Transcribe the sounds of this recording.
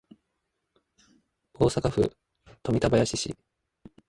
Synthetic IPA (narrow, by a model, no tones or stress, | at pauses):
o̞ːsakaɸɯ̟̰ | t̪o̞mʲit̪abajaɕiɕḭ